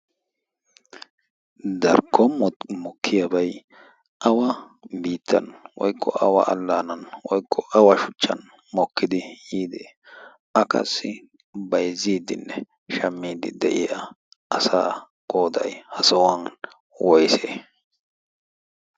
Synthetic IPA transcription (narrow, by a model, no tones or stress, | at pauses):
d̪ɐɾkʰːɔmɔkʰːɪjɐbɐj | ʔɐwɐ | biːt̪ʰːɐ̰nwɔjkːɔ̰ʔɐwɐ̰ʔɐlːaːnɐnwɔjkʰːɔʔɐwɐʃʊt͡ʃːɐ̰n | mɔkːɪd̪ɪjiːd̪ɛ | ɐkʰɐ̰sːɪ | bɐjziːd̪ɪnːɛ | ʃɐmːiːd̪ɪd̪ɛʔɪjɐː | sa̰ː | ɡ̥oːd̪ɐ̰jhɐsɐwɐn | wɔjseː